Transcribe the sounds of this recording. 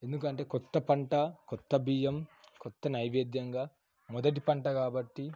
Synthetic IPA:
e̞nd̪ukɐɳʈe̞ːkɔt̪ːɐpɐɳʈɐkɔt̪ːɐbiːjɐmkɔt̪ːɐnɐjʋeːd̪jɐŋɡaː | mɔd̪ɐʈ̬ipɐɳʈɐkaːbɐʈːi

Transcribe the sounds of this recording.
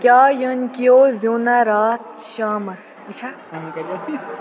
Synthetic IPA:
kʲjaːjənkijoːzoːnaɾaːt̪̚ | ʃaːmɐs | it͡ʃʰa

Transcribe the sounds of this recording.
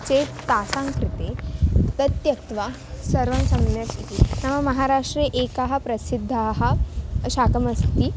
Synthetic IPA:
t͡set̪asaŋkɾɪt̪et̪ɐt̪jɐk̚t̪ʋa | sɐɾʋɐnsɐmnjat̪it̪inaʋamɐɦaɾaʂʈɾiʔekaɦɐpɾɐsid̪ʱːaɦɐ̆ʃaːkɐmɐst̪i

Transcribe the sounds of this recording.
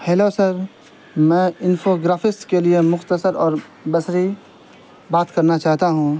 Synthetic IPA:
hɛːloːsəɾ | mɛ̃ːɪnfoɡɾaːfʰɪsʈkeliemʊxt̪əsəɾɔːɾ | bɐsɾi | baːt̪kɐɾnat͡ʃaːɦt̪aɦũ

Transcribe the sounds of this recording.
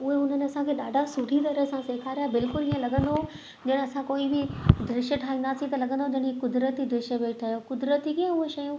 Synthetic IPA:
ʊɦeʊn̤ənɪɐsãkʰeːɗaːɖʱasʊʈʰit̪ɐɾəsãseːkʰaːɾijabɪlkʊliːə̃lɐɠʱə̃nd̪o | d͡ʑɐɽ̃ɐsãkoːibɪd̪ɾɪʃəʈʰaːĩnd̪aːsĩt̪ɐlɐɡʱə̃nd̪od͡ʑɐɽ̃ikʊd̪ɾət̪id̪ɾɪʃəʋeːʈʰaːɦjokʊd̪ɾət̪ikiãʊɦeʃɐjũ

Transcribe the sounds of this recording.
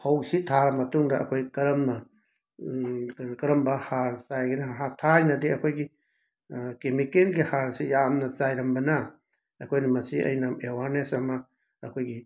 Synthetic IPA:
howsitʰaɾmɐtuŋdɐɐkʰojkɐɾɐmnɐ | kɐɾɐmbɐhaɾsajɡinɐɦatʰajnɐdeɐkʰojɡi | kemikelɡihaɾsijamnɐt͡ʃajɾɐmbɐnɐ | ɐkʰojnɐmɐsiʔɐ̰jnɐmewaɾnesɐmɐ | ɐkʰojɡi

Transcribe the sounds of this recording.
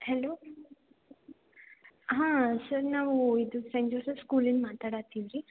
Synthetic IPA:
heloː | ɦãːsɐɾnaːʋuid̪usɐɲd͡ʒoɾsɐskuːlinmaːt̪aːɽat̪iʋiɾi

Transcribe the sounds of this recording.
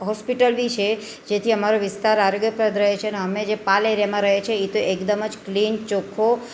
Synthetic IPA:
ɦɔspiʈəlʋit͡ʃʰe | d͡ʒet̪ʰiəmaɾoʋɪst̪aɾaɾoɡjəpɾəd̪ɾəɦet͡ʃʰeneəmed͡ʒepaleɾjamãɾəɦet͡ʃʰeit̪oʔekd̪əməd͡ʒklint͡ʃokʰːo

